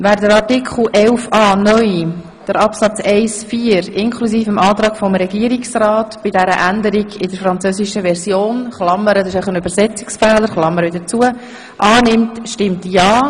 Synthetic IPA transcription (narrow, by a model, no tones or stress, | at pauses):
væːɾdəɾɑtikʰχl̩ʔɛlfɑːnœʏ | d̥əɾɑpsɑt͡sɛɪsfiːəɾɪnkʰlusiːfəmɑːt̪ɾɑːɡ̥fɔmɾɛɡiəɾiksrɑːtb̥ɪdɛɾə̰ʔændəɾiɡɪd̥əɾfɾɑnt͡søziʃəʋɛɾzjoːnχlɑmːəɾədɑɪʃɛɪχənyb̥əɾsɛt͡sɪ̥ksfɛːləɾχlɑmːəɾədət͡suə | ʔɑːnɪmtʃtɪmtjɑː